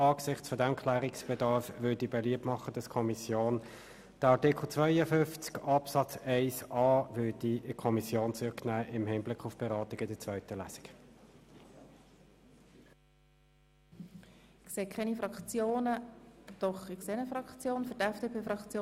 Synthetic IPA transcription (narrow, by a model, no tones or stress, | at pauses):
ɑːksɪχt͡sfɔdɛmkʰlæːʁiksb̥ɛdɑɾfvʏːdibɛliəp̚tmɑχəd̪ɑskʰɔmisjoːn | d̥əɑʁtɪkʰl̩t͡svœɪəfʏnft͡skɑpsɑt͡sɛɪsɑːvʏɐdikʰɔmisjoːnt͡sʏknæːʔɪmhɪnblɪkχʊfb̥ɛʁɑːtiɡədɛt͡sv̥œʏtəlæsi̥k | kseːkʰɛnifɾɑkt͡sjoːnəd̪̥ɔχɪkseːnəfrɑkt͡sjoːnfʏtɛfd̥eːpʰeːfʁɑkt͡sjoː